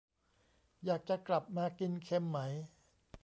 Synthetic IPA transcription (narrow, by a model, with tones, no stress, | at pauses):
jaː˨˩k̚t͡ɕa˨˩kla˨˩p̚maː˧ki˧nkʰe˧mːa˦˥j